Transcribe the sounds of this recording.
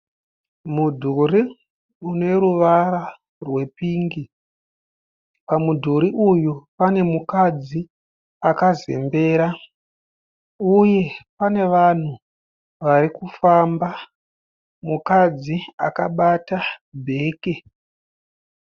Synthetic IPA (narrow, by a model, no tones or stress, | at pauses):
mudʱuɾi | une̞ɾuʋaɾa | rwe̞piːŋɡi | pamudʱuɾiʔujupane̞mukad͡zi | akazḛmbe̞ːɾa | uje̞pane̞ʋan̤u | ʋaɾikufamba | mukad͡zia̰kaɓatabʱe̞ːke̞